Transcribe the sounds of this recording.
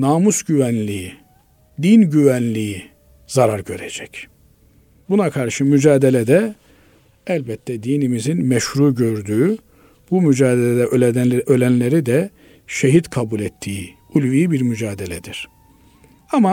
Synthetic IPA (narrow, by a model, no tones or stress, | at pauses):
naːmusɟyvænlʲii | d̪inɟyvænlʲiji | zaɾaɾɟø̞ɾed͡ʒɛ̥c | bunakʰaɾʃɯmyd͡ʒaːd̪elʲɛd̪ɛ | ælʲbɛt̪ʰːɛd̪iːnimizinmɛʃɾuːɟø̞ɾd̪yː | b̥umyd͡ʒaːd̪elʲɛd̪ɛølʲænlʲeɾid̪ɛ | ʃeɦid̪kʰabulʲɛt̪ʰːiːi | ulʲviːibiɾmyd͡ʒaːd̪elʲɛd̪iɾ̥ | ama